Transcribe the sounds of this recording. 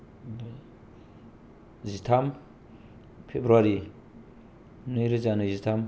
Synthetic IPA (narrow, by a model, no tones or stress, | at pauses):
zit̪ʰam | pʰebɾuaɾi | niɾizanuzit̪ʰam